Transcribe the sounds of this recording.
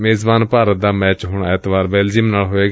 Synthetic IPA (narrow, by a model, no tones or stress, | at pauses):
meːzbaːnpaːɾət̪̚d̪aːmɛːt͡ʃɦʊɳːɛt̪ʋaːɾbɛːld͡ʒiɪmnaːlɦoːeːɡ